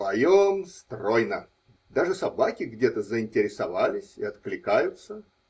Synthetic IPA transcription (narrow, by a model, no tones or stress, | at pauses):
vɐjomst̪rojnə | d̪aʐɨsɐbakʲɪɡdʲet̪əzəɪnʲtʲɪɾʲɪsɐvalʲɪsʲɪɐt̪klʲɪkajʊt̪sə